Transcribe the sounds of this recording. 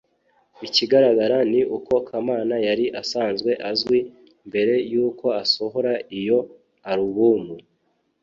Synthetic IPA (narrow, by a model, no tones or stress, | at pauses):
iciɡaɾaɡaɾaniʔuko̞kʰamaːnajaɾiʔasaːnzɡwe̞ʔazɡwi | mbe̞ɾe̞juːko̞aso̞ɦo̞ɾaijo̞ | aɾuβuːmu